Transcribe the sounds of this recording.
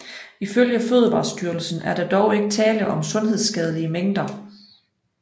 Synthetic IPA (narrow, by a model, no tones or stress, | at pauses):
iføljəføð̞ˠəʋɑ̈ːsd̥yːɐl̩sn̩æɐd̥ɑ̈d̥ɒʊe̝ɡ̥ət͡sʰɛːləʔɒ̽msɔ̽nɦe̝ð̞ˠsɡ̥ɛð̞ˠliəmeŋ̰d̥ɐ